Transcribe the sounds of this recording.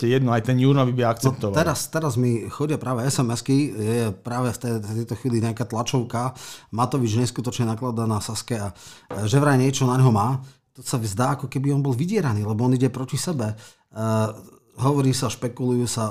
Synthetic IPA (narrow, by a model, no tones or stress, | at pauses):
ɛjɛd̪nɔajt̪ɛnjuːɾnɔʋibiɛakt͡sɛɔp̚t̪ɔʋat̪ɛɾast̪ɛɾazmixɔɟɪapɾaːʋɛɛsɛmɛskijɛjɛpɾaːʋɛft̪ɛt̪ɛjt̪ɔxʋiːliɲakaːt̪lat͡ʃɔʊkamat̪ɔʋid͡ʒɲɛskut̪ɔt͡ʃɲɛnaklad̪anasaskɛaʒɛʋɾaɲɪɛt͡ʃɔnaɲɦɔmaː | t̪ɔsazd̪aːakɔkɛbiɔnbɔlˠʋiɟɪɛɾaniːlɛbɔɔniɟɛpɾɔcisɛbɛ | ɦɔʋɔɾiːsaʃpɛkulujusa